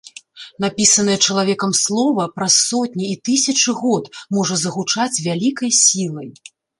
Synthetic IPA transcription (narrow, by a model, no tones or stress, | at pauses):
n̪apʲisɐnɐjɛt͡ʂɐlˠavʲɛkɐmslˠɔvɐpɾɐsːɔt̪̚ʲnʲiit̪ɨsʲɐt͡ʂɨɣɔt̪mɔʐɐzɐɣut͡ʂat͡sʲvʲalʲikɐjsʲilˠɐj